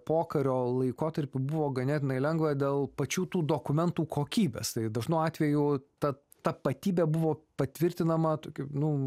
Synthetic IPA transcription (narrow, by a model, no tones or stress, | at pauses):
poːkɐɾʲoːlˠɐɪkoːt̪ɐɾʲpʲɪbʊʋoːɡɐnʲæːt̪ʲɪnɐɪlʲɛŋɡʋɐd̪ʲeːlˠpɐt͡ʃʲuːt̪uːd̪oːkʊmʲɛnt̪uːkʰoːkʲiːbʲḛːst̪ɐɪd̪ɐʒnɐʊɑːt̪ʲʋʲɛjut̪ɐ | t̪ɐpɐt̪ʲiːbʲɛbʊʋoːpɐt̪ʲʋʲɪɾʲt̪ʲɪnɐmɐt̪oːkʲɪnʊ